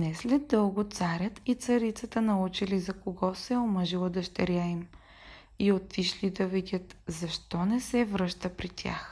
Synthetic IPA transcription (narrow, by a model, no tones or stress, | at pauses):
nɛslɛd̪ːɤlˠɡʊt̪saɾʲət̪it̪sɐɾit̪sət̪ənɐut͡ʃilizɐkoɡɔsɛoməʒilˠəd̪ɐʃt̪ɛɾʲaim | iot̪iʃlid̪ɐvidʲət̪zɐʃt̪ɔnɛsɛvɾɤʃt̪əpɾit̪ʲʰa̰x